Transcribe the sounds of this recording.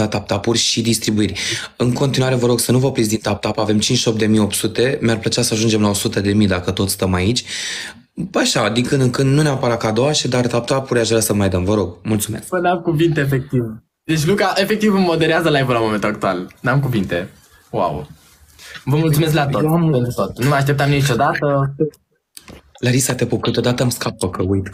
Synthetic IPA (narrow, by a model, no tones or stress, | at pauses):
at̪ap̚t̪apurʲʃid̪ist̪ɾibuirʲɨŋko̞nt̪inuwaɾevəɾo̞ɡsənuvəpɾit̪sd̪int̪ap̚t̪apave̞mt͡ʃint͡ʃʃo̞p̚d̪emijo̞pt̪sut̪e̞mearplət͡ʃasəaʒund͡ʒe̞mlaosut̪əd̪e̞mid̪akət̪o̞t̪sʲst̪əmait͡ʃʲ | aʃad̪iŋkɨnd̪ɨŋkɨnd̪nuneapəɾakaːd̪o̞waʃid̪art̪ap̚t̪apuɾʲaʃvɾasəmajd̪əmvəɾo̞ɡmult̪sume̞̰skpəd̪amkuvint̪eefek̚t̪iv | d̪et͡ʃʲlukaʔe̞fek̚t̪ivɨmmo̞d̪eɾeazəlaevolamoment̪ulak̚t̪ualnamkuvint̪e̞ | wa̰w | vəmult̪sumes̬klat̪oampent̪ɾut̪ot̪numəjaʃt̪ep̚t̪amnit͡ʃo̞d̪at̪ə | laɾisat̪e̞pupkɨt̪od̪at̪əamskapəkəujt̪